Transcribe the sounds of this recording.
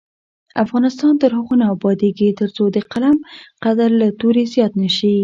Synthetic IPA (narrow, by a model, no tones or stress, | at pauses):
afɣɑnɪst̪ɑnt̪əɾhaɣonɑbɑd̪eɡit̪əɾt͡sod̪əqalamqad̪aɾlat̪oɾezjɑt̪nəʃi